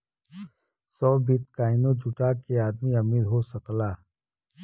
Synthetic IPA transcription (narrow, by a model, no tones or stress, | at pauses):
sɔːbit̪̚kaːɪnõd͡ʒʊʈakeaːd̪miɐmiːd̪ɦosɐklaː